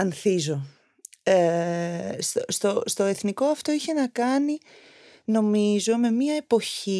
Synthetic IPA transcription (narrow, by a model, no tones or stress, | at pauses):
ɐnθizo̞ | e | st̪ost̪ost̪o̞e̞θniko̞ɐft̪o̞içe̞nɐkɐni | no̞mizo̞me̞miɐepo̞çi